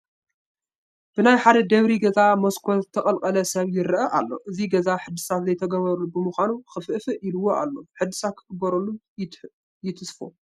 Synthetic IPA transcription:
b̥ɨnajħad̪ɐd̪ɐβɾiɡɐzamoskʰozɨt̪ʰːɐkʼɐlkʼɐlɐsɐβjɪɾʔɐʔalːo̞̰ʔɨziɡɐzaħɨd̪ɨsat̪zɐjt̪ʰɐɡɐβɐɾulubɨmɨxʷanuxɨfʔfɨʔilɨwːoa̰lːo̞ħɨd̪ːɨsat̪̚kʰɨ̥ɡɨbɐɾɐlːu | jɪt̪ʰɨsfo

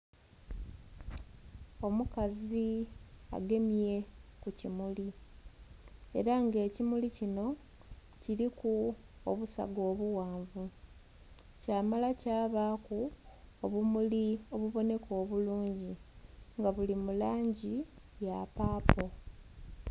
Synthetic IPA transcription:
o̞mukazia̰ɡe̞mije̞kucimuli | e̞̰ɾaŋɡe̞ːcimulicino̞ | ciɾikuo̰βusa̰ɡo̞ːβuwaːɱvu | caːmalacaːβakuoβumulio̞βuβo̞ne̞ko̞ːβuluːɲɟiŋɡaβulimulaːɲɟi | ja̰paːpo̞

